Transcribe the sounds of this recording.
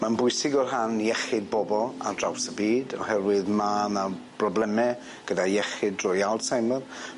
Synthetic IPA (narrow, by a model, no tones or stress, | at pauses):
manbʊɨsɪɡɔrɦanjɛχɪd̚bɔbɔlˠa̰drawsəbiːdɔhɛrwɪðmanab̥rɔblɛmɛ | ɡ̥ədajɛχɪdrʊjalˠdsajmər